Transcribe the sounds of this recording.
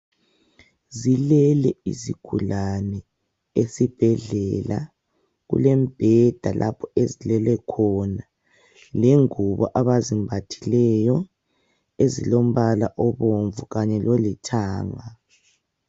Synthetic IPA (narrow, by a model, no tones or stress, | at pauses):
zilɛlɛḭziɡ̥ʱulanɛ | esib̥ʱɛɮɛla̰ | ɣṵlɛmb̥ʱɛd̥ʱalʔa̰pʰɔezilɛlɛkʰɔna | leŋuβɔʔaβazimbʱatʰilɛjɔ | ezḭlom̩βalaʔɔβoɱvuɣaɲɛlolitʰaːŋa